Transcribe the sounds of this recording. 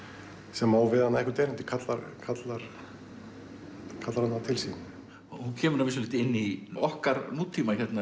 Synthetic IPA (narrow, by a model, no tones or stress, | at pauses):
sɛmawvɪðhanːaðɛhkʏɾt̪ɛːɾɪnt̪ɪ̥kʰat̪laɾkʰat̪laɾ̥ | kʰat̪laɾhanːat̪ʰɪlsiːnɪ | huncʰɛːmʏɾnavɪs̬ɔlɪːt̪ɪɪnːiɔhkaɾnuːt̪ʰːiːmaçɛt̪na